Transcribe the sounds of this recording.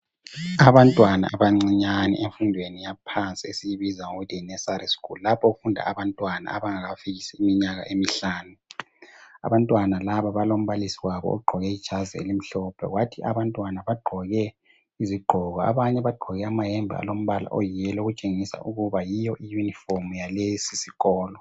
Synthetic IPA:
aβantʼwana̰aβaŋ͡ǀiɲanḭʔeɱfundʱwenijapʰant͡sʼiesijiβizaŋoɣutʰinɛsaɾiskullapʰɔoɣufundʱa̰ʔaβantʼwana̰a̰βaŋaɣafiɣisiimiɲaɣa̰ʔemiɬaːnu | a̰βantʼwanalaβaβalom̩βalisiwaβɔ̰ɔ̰ɡ͡ǃʱɔɣɛid̥ʒ̥ʱazɛḛlim̩ɬɔpʰɛ̰ɣwatʰiʔa̰βantʼwanaβaɡ͡ǃʱɔɣɛ | iziɡ͡ǃʱɔɣɔa̰βaɲɛβaɡ͡ǃʱɔɣɛamajɛmbʱḭa̰lom̩βala̰ʔojijɛloɣut͡ʃʼeŋisa̰ʔuɣuβajijɔʔijuniformujalesisiɣɔːlɔ

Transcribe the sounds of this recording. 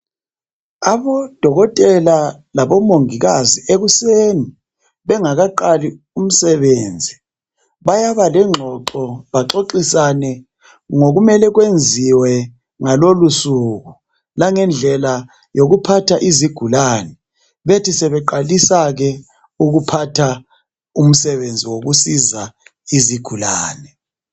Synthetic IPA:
aβɔd̥ʱɔɣɔtʼɛla | laβɔmoŋiɣazieɣuseːni | βɛŋaɣaǃali | um̩sɛβeːnd͡zʱi | βajaβalɛŋ͡ǃʱɔǃɔβaǁoǃisanɛ | ŋoɣumɛlɛɣwend͡zʱiwɛ | ŋalolusuɣu | laŋɛnd͡ɮʱɛla | joɣupʰatʰaʔiziɡ̥ʱulaːnɛ | βetʰisɛβɛǃalisaɣɛ | uɣupʰatʰa | um̩sɛβend͡zʱiwoɣusizaiziɡ̥ʱulaːnɛ

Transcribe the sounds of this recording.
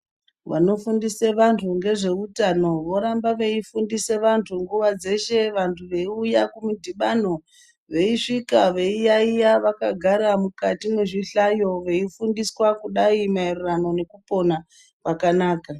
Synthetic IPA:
ʋa̰no̞fundiseʋantʰuŋɡe̞ʐe̞utano̞ʋo̞ɾambaʋe̞ifundise̞ʋantʰuŋɡuʋad͡ze̞ʃe̞ʋantʰuʋe̞iujakumudʱiɓano̞ | ʋe̞iʂikaʋe̞ijaijaʋakaɡʱaɾamukatimeʐiɬajo̞ʋe̞ifundiswakuɗaimairrano̞ne̞kupo̞na | pakanaːka

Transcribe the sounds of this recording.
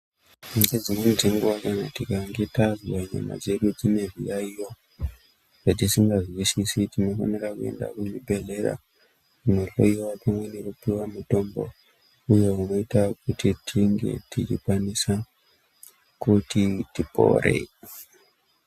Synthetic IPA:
ɡed͡zimend͡zeŋɡuwakanatikaŋɡe̞tazwaɲa̰ma̰d͡ze̞ɗud͡zine̞ʐijaijo | ʐ̥at̬isiŋɡaziwisisitino̞fa̰nerakue̞̰nda̰kuɲibʱe̞ɮe̞ra̰ | uno̞lo̞̰iwapamwenekupiwamuto̞mbo̞̰ | uje̞uno̞itakutitʰiŋɡe̞̰tit͡ʃikwanisa | kutitipo̞̰rʔḛ

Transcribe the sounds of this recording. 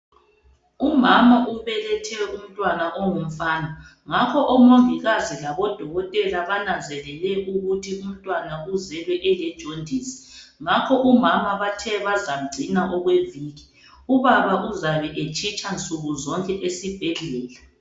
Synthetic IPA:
umamaʔuβɛlɛtʰɛum̩tʼwanaʔoŋum̩faːnɔ | ŋakʰɔʔɔmoŋiɣazilaβɔd̥ʱɔɣɔtʼɛlaβanand͡zʱɛlɛlɛʔuɣutʰium̩tʼwanauzɛlɛʔɛlɛd̥ʒ̥ʱondʱiːsi̥ŋakʰɔʔumamaβatʰɛβazam̩ɡ͡ǀʱinaʔɔɣweviːɣi | uβaβaʔuzaβɛʔet͡ʃʼit͡ʃʼant͡sʼuɣuzɔŋkʼɛʔesib̥ʱɛɮɛːla

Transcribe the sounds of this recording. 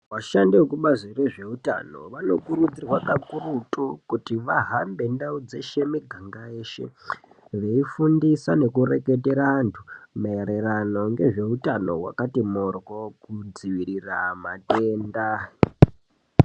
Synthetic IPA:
waʃandekuɓazireʐe̞uta̰no̞̰ʋano̞kuɾud͡zirwakakurutʼukutiʋaɦambe̞ndaud͡ze̞ʃemiɡʱaŋɡaeʃḛ | ʋe̞ifundisane̞kure̞ke̞teɾaantʰu̥maeɾerano̞ŋɡe̞ʐe̞utano̞̰wa̰katimorɣokud͡ziʋiɾira̰mateːnda

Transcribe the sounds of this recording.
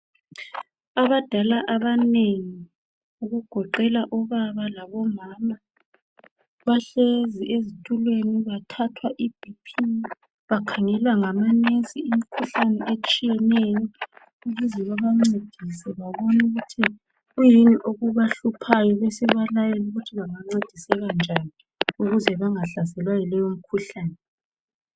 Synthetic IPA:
aβad̥ʱalaʔaβaneŋi | uɣuɡ̥ʱɔǃɛlaʔɔβaβalaβɔmaːma | βaɬeziʔezitʼʰulweniβatʰatʰwaʔib̥ʱipʰi | βakʰaŋɛlwaŋamaneziːmikʰuɬanɛʔet͡ʃʼijɛneni | uɣuzɛβaβaŋ͡ǀed̥ʱisɛβaβɔnuɣutʰi | ɣujiniʔoɣuβaɬupʰajɔβesiβalajeluɣutʰiβaŋaŋ͡ǀed̥ʱisɛɣand͡ʒʱani | uɣuzɛβaŋaɬasɛlwajilɛjom̩kʰuɬaːnɛ

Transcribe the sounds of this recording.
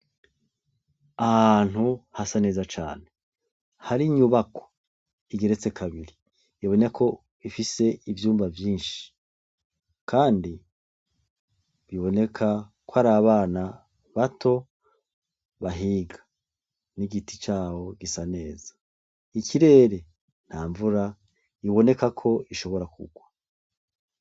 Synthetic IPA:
ahaːn̥huhasane̞ːzat͡ʃa̰ːne | haɾiɲuβako̥ | iɡeɾet͡se̞kʰaβiɾi | jaβo̞nekʰo̞ | ifise̞ivjuːmbavjiːnʃi̥ | kʰaːndi | βiβo̞ne̞kʰakwhaɾaβaːna | βatʰo̞ | βaɦiːɡḁ | niɡiti̥t͡ʃaːwo̞ɡisane̞ːzḁ | ikiɾe̞ːɾe̞ | n̥aːɱvuɾa | iβo̞ne̞kakʰo̞iʃo̞βo̞ɾakʰṵɡwa

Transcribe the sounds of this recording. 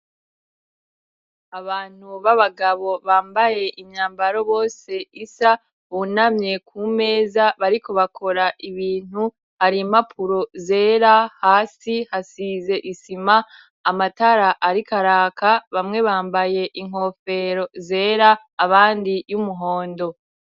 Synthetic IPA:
aβaːn̥huβaβaɡaβo̞βaːmbaje̞ʔimɲaːmbaɾo̞βo̞ːse̞isa | βunamɲe̞kʰuːme̞ːzaβaɾiko̞βakʰo̞ɾaʔiβiːn̥u | haɾimapʰuɾo̞ze̞ːɾahaːsihasize̞ʔisimaː | mataɾaʔaɾikaɾaːkaβamŋe̞βaːmbaje̞ʔiŋ̥o̞fe̞ɾo̞ze̞ːɾaː | βaːndijumuɦo̞ːndo̞

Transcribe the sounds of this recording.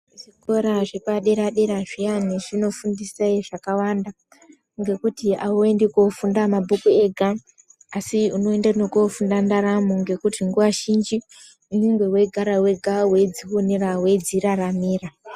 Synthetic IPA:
ʐiko̞ɾaʐepaɗe̞ɾaɗe̞ɾaʐianiʐino̞fundisaiʐakawanda | ŋɡe̞kutiawoendekofundamabʱukue̞ɡʱaː | siuno̞endanokofundandaɾamuŋɡe̞kutʰiŋɡuʋaʃind͡ʒi | unuŋɡwe̞we̞ɡʱaɾawe̞ɡʱawe̞d͡ziɦonirawe̞d͡ziɾaramiːra

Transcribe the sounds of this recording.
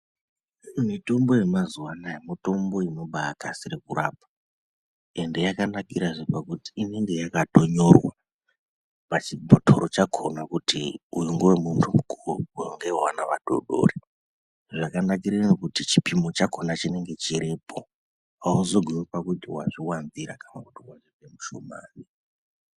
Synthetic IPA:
mito̞mbo̞je̞mazuwanajemito̞mbo̞inoɓaakasiɾekuraːp̚a | e̞nde̞jakanakiɾaʐepakutiːne̞ŋɡe̞jakato̞ɲo̞rwa | pat͡ʃibʱotʰo̰ɾot͡ʃakʰo̞nakutiujuŋɡowemuntʰumuɡuɡʱoŋɡewanaʋaɗo̰ɗo̰ːre | ʐakanakiɾenokutit͡ʃipimo̞t͡ʃakʰo̞nat͡ʃine̞ŋɡe̞t͡ʃiɾipʰo | wauzoɡʱwiwepakutiwaʐiwanziɾakanakutiwaʐivemuʃomaːni

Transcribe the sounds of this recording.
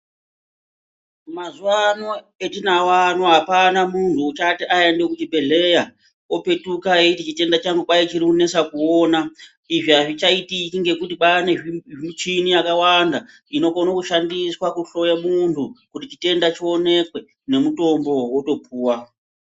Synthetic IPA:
mazuwano̞ | etinawano̞ɦapanamuntʰut͡ʃatiʔaendekut͡ʃibʱe̞ɮe̞ja | ope̞tukaetit͡ʃite̞ndat͡ʃaŋɡukajet͡ʃirikune̞sakuoːna | iʐiaʐit͡ʃaitikiŋɡe̞kutiɓaneimut͡ʃiniakawanda | ino̞konokuʃandiswakuɬo̞jamuntʰukutit͡ʃite̞ndat͡ʃio̞ne̞kwe̞ | ne̞muto̞mbo̞wo̞to̞puːwa

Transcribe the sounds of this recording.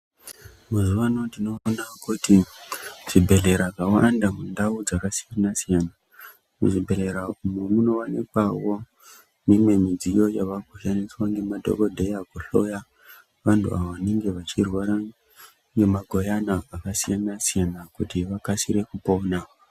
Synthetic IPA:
mazuʋanotdino̞ːnakuti | ʐ̥ibʱe̞ɮe̞ɾakawandamundaud͡zakasijanasijana | mṵʐibʱe̞ɮe̞ɾaumemuno̞anekwawo̞ | nemwe̞mid͡zijo̞jaʋaɡʱoʃaniswaŋɡe̞madʱo̞̰kodʱe̞jakuɬo̞ja | ʋantʰṵa̰ʋoʋane̞ŋɡe̞ʋat͡ʃirwaɾa | ŋɡe̞maɡʱo̞janaːkasijanasijanakutiʋakasiɾe̞kupo̞ːna

